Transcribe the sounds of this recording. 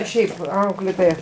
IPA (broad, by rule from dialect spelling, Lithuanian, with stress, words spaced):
ˈʃʲɛɪp ˈɐʊklʲeːtoːjɛ